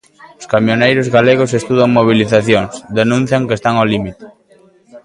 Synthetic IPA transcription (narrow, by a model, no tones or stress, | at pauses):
ʊskamjonejɾʊzɣaleɣ̞osest̪uðaŋmoβ̞iliθaθjoŋsd̪enũn̟θjaŋkest̪aŋɔlimit̪ɪ̥